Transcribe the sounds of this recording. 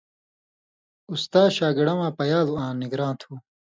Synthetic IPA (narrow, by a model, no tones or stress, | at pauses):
ust̪aːɕaːɡiɽɐmãːpɐjaːluãːniɡɾãːnt̪ʰuː